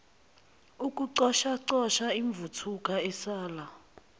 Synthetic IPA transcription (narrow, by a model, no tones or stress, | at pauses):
ukʼuǀɔʃaǀɔʃaiɱb̪vutʰukʼaɛsaːla